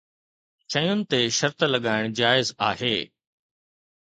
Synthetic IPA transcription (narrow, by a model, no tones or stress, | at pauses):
t͡ɕɐ̃jʊnɪ̆t̪eʃɐɾt̪lɐɠaːɪɽ̃d͡ʑaːɪzaːɦeː